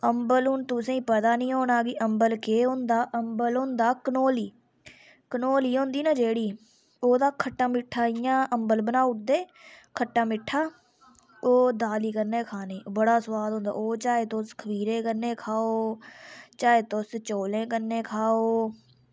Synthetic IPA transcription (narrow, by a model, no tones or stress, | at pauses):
əmbəlʊnt̪ʊsẽːĩːpət̪aːnĩːɦoːnaːɡiʔəmbəlkeːɦõnd̪aːʔəmbəlɦõnd̪aːkənoːliː | kənoːliːɦõːnd̪iːnãːd͡ʒeːɽiː | oːd̪aːkʰəʈːãːmɪʈʰːaːijãːʔəmbəlbənaːʊʈ̚d̪eːkʰəʈːãːmɪʈʰːaː | oːd̪aːliːkəɾneːkʰaːneːbəɽaːsʋaːd̪õːnd̪a̰ːoːt͡ʃaːet̪oːskʰəbiːɾẽːkəɾneːkʰaːoː | t͡ʃaːeːt̪ost͡ʃoːlẽːkəɾnːẽːkʰaːoː